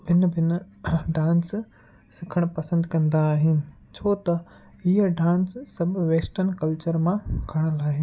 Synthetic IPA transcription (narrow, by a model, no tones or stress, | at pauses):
bʱɪn̆bʱɪn | ɖãːns | sɪkʰəɽ̃pɐsə̃nd̪kɐ̃nd̪aːɦɪnɪ̆ | t͡ɕʰoːt̪ɐ | ɦiəɖãːnssɐbʱʋeːsʈənkɐlt͡ɕəɾmãɡʰʱɐɽ̃ə̆laːɦɪnɪ